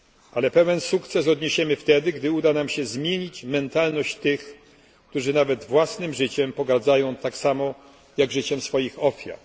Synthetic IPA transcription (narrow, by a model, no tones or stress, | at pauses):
alɛpɛvɛnsukt̪sɛs̬ɔd̪ɲeɕɛmɘft̪ɛd̪ɘɡd̪ɘud̪anamɕɛzmʲjeɲit͡ɕmɛnt̪alnɔɕt͡ɕt̪ɘx | kt̪uʐɘnavɛd̪vwasnɘmʐɘt͡ɕɛmpɔɡaɾd̪zajɔ̃w̃t̪aksamɔ | jaɡʐɘt͡ɕɛmsfɔjixɔfʲja̰ɾ